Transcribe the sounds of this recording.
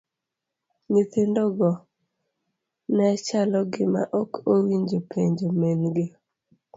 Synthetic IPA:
nit̪endɔɡɔ | nɛt͡ʃalɔɡɪma̰ʔɔkowiɲd͡ʒopʰeɲd͡ʒomenɡe

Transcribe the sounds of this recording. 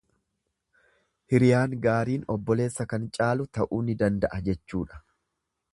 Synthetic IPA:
hɪɾɪjaːŋɡaːɾiːnɔbːɔle̞ːsːɐkɐnt͡ʃʼaːlʊt̪ɐʔuːnːɪd̪ɐnd̪ɐʔɐd͡ʒɛt͡ʃːuːᶑɐ̥

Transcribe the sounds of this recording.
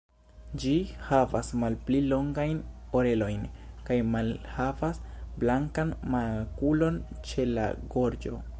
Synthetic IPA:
d͡ʒihavasmalplilo̞ŋɡajno̞ɾe̞lo̞jn | kajmalhavasblaŋkanmakulo̞n | t͡ʃe̞la̰ɡo̞ɾd͡ʒo̞̰

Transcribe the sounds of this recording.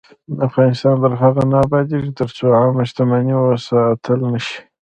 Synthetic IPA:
afɣɑnɪst̪ɑnd̪əɾɦaɣanɑbɑd̪iʐit̪əɾt͡soamaʃt̪amaniwasat̪ʰəlnəʃi̥

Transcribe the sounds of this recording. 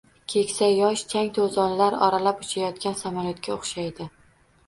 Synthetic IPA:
kʲʰe̞kʲsajɒʃt͡ʃʰaŋt̪ʰozɒnlaɾɒ̰ɾalapʊt͡ʃʰajɒt̪̚kʲansamaljot̪̚kʲaoχʃajd̪ɪ

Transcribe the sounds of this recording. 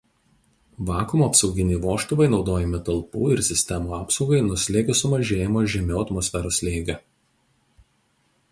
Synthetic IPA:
ʋɑːkʊmoːɐpsɒʊɡʲɪnʲɛɪʋoːʃt̪ʊʋɐɪnɒʊd̪oːjɛmʲɪt̪ɐlˠpuːɪɾsʲɪsʲt̪ʲɛmuːɑːpsɒʊɡɐɪnʊsʲlʲeːɡʲʊsʊmɐʒʲeːjɪmoːʒʲɛmʲoːɐt̪mɔsʲfʲɛɾoːslʲeːɡʲɛ

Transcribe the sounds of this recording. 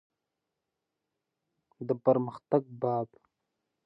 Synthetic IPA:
d̪əpəɾməxt̪aɡ̚baːd̪

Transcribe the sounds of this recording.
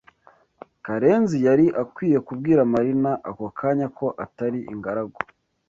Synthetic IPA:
kaɾe̞ːnzijaɾiʔakwiːje̞kub̚ɡiːɾamaɾinaʔakokʰaːɲako̞ʔataɾiʔḭŋɡaɾaɡo

